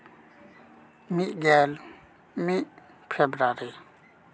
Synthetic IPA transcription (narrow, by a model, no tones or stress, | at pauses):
miʔɡɛl | miʔ | pʰɛbɾaɾi